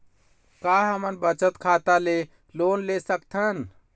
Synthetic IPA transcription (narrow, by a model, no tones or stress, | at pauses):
kaɦəmənbət͡ʃət̪kʰat̪ale | lonlesəkt̪ʰən